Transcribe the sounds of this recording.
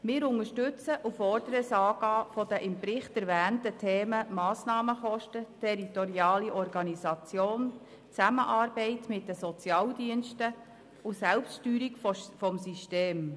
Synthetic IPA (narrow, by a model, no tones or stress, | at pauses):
mɪːɾʊŋəʃtʉt͡səʔufɔrd̥əɾəsɑːɡ̥ɑːfɔd̥̪əʔɪmpɾɪχtɛɾvæːntətʰeːməmɑːsnɑːməχɔʃtətʰɛɾitɔɾiɑːliʔɔɾɡɑnisɑt͡sjoːn | t͡sæməʔɑːɾbɛɪtmɪt̚d̥əsɔt͡sjɑːldiənʃtə | ʊsælpstʃtyːɾikfɔmsiʃteːm